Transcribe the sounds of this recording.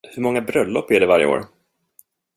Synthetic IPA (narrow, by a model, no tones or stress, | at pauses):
hɵɾmɔŋːabɾœlːɔpːæɖɛvaɾjə̰o̰ːɾ